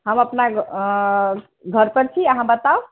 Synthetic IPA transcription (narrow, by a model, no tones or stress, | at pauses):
ɦəməpna | ɡʱəɾpəɾt͡ʃʰiəɦãbət̪aw